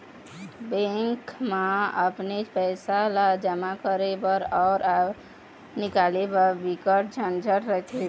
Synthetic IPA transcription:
bẽŋkmaəpnet͡ʃpəɪsalad͡ʒəmakəɾebəɾɔːɾa | nikalebəɾbikəʈ̚d͡ʒʱənd͡ʒʱəɾɾəkʰe

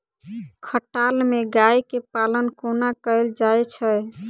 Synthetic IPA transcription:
kʰəʈalmeɡajkepalənkonakəld͡ʒajt͡ʃʰə

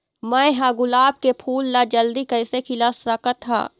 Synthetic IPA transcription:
mə̃ẽɦaːɡʊlaːb̚kepʰuːlːad͡ʒəld̪ikəːɪsekʰɪlasɾəkət̪ʰːa̰ː

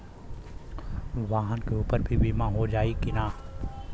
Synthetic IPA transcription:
ʋaːɦənkeuːpəɾbʱibiːmãɦod͡ʒaːikɪnaː

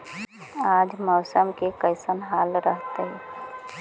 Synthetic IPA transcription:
aːd͡ʒmɔːsəmkekəɪsənɦaːlɾəɦt̪eɦɛ

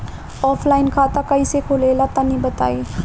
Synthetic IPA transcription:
ɔpʰlainkʰat̪akəjsekʰolelat̪anibət̪a̰e

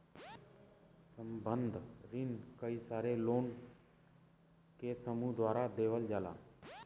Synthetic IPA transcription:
səmbənd̪ʱɾɪnkəiːsaːɾeloːn | keːsəmuːd̪ʋaːɾaːd̪eːʋəld͡ʒaːla̰ː

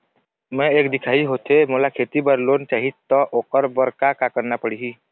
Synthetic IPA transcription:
mɛ̃eːkd̪ɪkʰaːiɦoːt̪emoːlakʰeːt̪ibəɾloːnt͡ʃaːɦit̪ɔʔoːkəɾbəɾkakakəɾnapəɽiɦi

